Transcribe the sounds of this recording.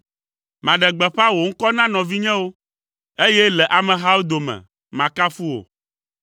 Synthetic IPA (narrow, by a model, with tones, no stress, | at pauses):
mã˨ɖɛ˨ɡ͡bɛ˨ɸa˦wo˨ŋ̩˦kɔ˦nã˦nɔ̃˨vi˦ɲɛ̃˦wo˦ | e˦jɛ˦lɛ˨ʔa˨mɛ̃˨ɦa˦wo˦d̪o˨mɛ̰̃˨ | mã˨ka˦fu˦wo̰˨